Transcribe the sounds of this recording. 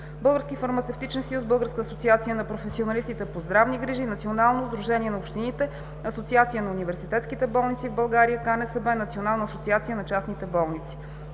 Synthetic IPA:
bɤlˠɡəɾskifɐɾmɐt̪sɛft̪it͡ʃɛnsəjusbɤlˠɡəɾskəːsot̪siat̪sijənɐpɾofɛsionɐlist̪it̪ɛpozd̪ɾavniɡɾiʒinɐt̪sionalˠnozd̪ɾuʒɛniɛnɐopʃt̪init̪ɛ | ɐsot̪siat̪sijənɐunivɛɾsit̪ɛt̪skit̪ɛbɔlˠnit̪sivbəlˠɡaɾijəkanɛsəbɛnɐt̪sionalˠnəːsot̪siat̪sijənɐt͡ʃasnit̪ɛbɔlˠnit̪si̥

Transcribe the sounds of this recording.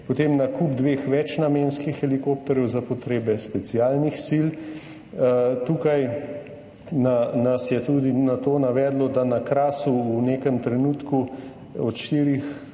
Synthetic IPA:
pɔt̪emnakubd̪ʋeːxʋɛt͡ʃnameːnskixɛlikoːpt̪ɔɾjɛwzapɔt̪ɾeːbɛspɛt̪siaːlnixsil | t̪ukaj | nanasjɛt̪uːd̪inat̪oːnaʋɛːd̪lɔd̪anakɾaːsuuneːkəmt̪ɾɛnuːt̪ku | ɔt̪ʃt̪iːɾix

